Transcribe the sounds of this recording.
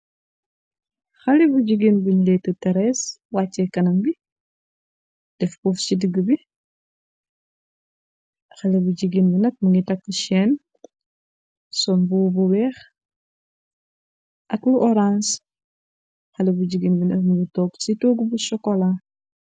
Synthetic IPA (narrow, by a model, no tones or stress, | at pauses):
xɐlibuɟiɡinbuɲlɛtətɐɾɛswaːt͡ʃːɛkɐnɐmbi | d̥ɛfkuft͡ʃidəɡəbi | xɐlibuɟiɡinbunɐt̚muŋɡitɐkːəʃɛn | sɔnbubuwɛːx | ʔɐkluʔɔɾans | xɐlibuɟiɡinbunɐtmuɡitɔːɡsitoːɡubusɔkɔla